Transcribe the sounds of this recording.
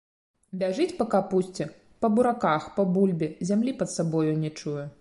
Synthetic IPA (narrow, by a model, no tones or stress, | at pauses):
bʲaʐɨt͡sʲpɐkapusʲt͡sʲɛ | pɐbuɾakaxpɐbulʲbʲɛzʲamlʲipɐt̪sabɔjunʲɛt͡ʂujɛ